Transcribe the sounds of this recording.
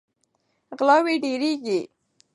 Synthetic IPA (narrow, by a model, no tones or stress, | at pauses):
ɣlɑweɖeɾeɡi